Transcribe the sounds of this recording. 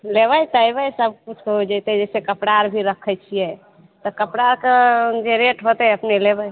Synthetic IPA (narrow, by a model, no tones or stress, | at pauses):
leβəjt̪əjbəjsəb̚kut͡ʃʰkɦod͡ʒajt̪ɛd͡ʒɛsekəpɽaɾbʱiɾəkʰəjt͡ʃʰijɛ | t̪ɔkəpɽaɾked͡ʒeɾeʈɦot̪ɛəpnelebəj